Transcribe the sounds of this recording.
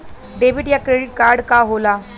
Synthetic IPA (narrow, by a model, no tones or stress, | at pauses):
ɖeʋiʈjakɾeɽiʈ̚kaɾɖkaɦola